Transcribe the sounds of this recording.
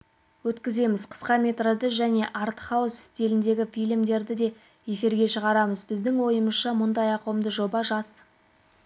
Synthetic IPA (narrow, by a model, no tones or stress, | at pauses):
wɵt̪kʲɪze̞mɪzqʰə̥sqɑmʲe̞t̪rod̪əʒæne̞ʔɑɾt̪ə̥χɑwəsɪ̥st̪e̞lɪnd̪e̞ɡʲɪfijlmd̪e̞ɾd̪ɪd̪e̞ | je̞fiɾɡʲe̞ʃəʁɑɾɑməzbɪzd̪ɪŋwo̞jəməsʃɑmʊnd̪ɑjɑqwəmd̪əʒo̞bɑʒɑs